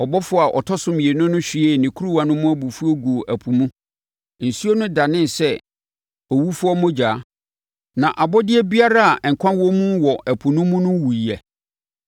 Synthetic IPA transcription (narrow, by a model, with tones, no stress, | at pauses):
ɔ˨bɔ˦fʊ˦˨a˨ʔɔ̰˨tʰɔ˦sʊ̃˦mĩ˨e˨nʊ̃˦nʊ̃˦ɕᶣi˨ɛ˦˨nɪ̃˨kʰu˦ɾu˦wa˨nʊ̃˦mʊ̃˦æ˦bu˨fu˦o˦ɡu˨o˨ʔæ˨pʰu˨mũ˦˨ | n̩˨su˦o˦nʊ̃˦da˨nɪ̃˦n˨sɛ˦ | ɔ˨wu˦fʊ˦ɔ˦mʊ̃˦d͡ʑaː˨˦ | nã˨ʔa˨bɔ˦dɪ˦ɛ˦bi˦a˦ɾa˦a˨ŋ̩˨kʷʰã˦nwɔ̃˦mũ˦wɔ˨ʔæ˨pʰu˨nʊ̃˦mʊ̃˦nʊ̃˦wu˨i˨ɛ˨